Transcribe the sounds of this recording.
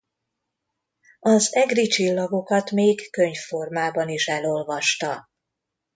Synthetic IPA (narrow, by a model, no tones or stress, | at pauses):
ɒzɛɡrit͡ʃilːɒɡo̞kɒt̪meːkkøɲfo̞rmaːbɒniʃɛlo̞lvɒʃt̪ɒ